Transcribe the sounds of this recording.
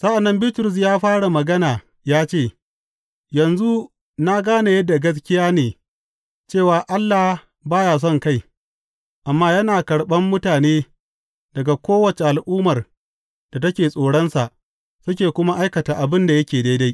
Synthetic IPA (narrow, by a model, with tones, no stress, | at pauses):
sɐ˦ʔa˨nːɐ˦mbi˦tʊ˨ɾʊ˨s̬jaː˦ɸaː˦ɽa˨mɐ˨ɡɐ˦naː˨ | jaː˦t͡ʃeː˦˨ | jɐ˨nzu˦ | na˦ɡaː˦na˨jɐ˦dːa˨ɡɐ˦s̬kʲɪ˦jaː˦neː˨ | t͡ʃeː˦˨waː˨ʔa˦lːa˨h | baː˦jaː˨s̬ɔ˦˨ŋka˦j | ʔa˨mːaː˦jɐ˦naː˨kɐ˨ɽɓɐ˦mːʊ˦taː˨neː˦ | d̥ɐ˨ɡa˨kʷoː˦wɐ˨t͡ʃe˨ʔa˨lʔʊː˦mɐ˨r | d̥a˨tɐ˦kʲeː˨sʼoː˨ɽɐ˦nsa˨ʔ | sʊ˦k̬ʲeː˨kʷʊ˦ma˦ʔa˦jkɐ˨taː˨ʔa˨bɪ˦nda˨jɐ˦kʲeː˨da˦jda˦j